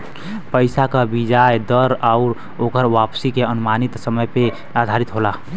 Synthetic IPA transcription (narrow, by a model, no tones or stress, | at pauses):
pəɪsakabid͡ʒajd̪əɾaʊɾ | okəɾʋapsikeənʊmanit̪səməjpe | ad̪ʱaɾit̪ɦola